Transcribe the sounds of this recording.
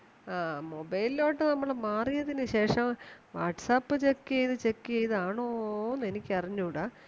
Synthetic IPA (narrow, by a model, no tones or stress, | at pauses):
aːmobɐjlilo̞ːʈːenɐmːɐɭmaːrijɐðinɨɕe̞ːʂɐmʋaːʈsaːpːɨt͡ɕe̞kːɨejðɨt͡ɕekːɨejðɨaːɳoːnːe̞nikʲːɐriɲːuɽaː